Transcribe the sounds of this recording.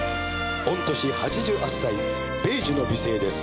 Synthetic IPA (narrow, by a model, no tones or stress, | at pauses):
ont̪oɕihat͡ɕid͡ʑɯʔasːai | peːd͡ʑinobiseːd̪es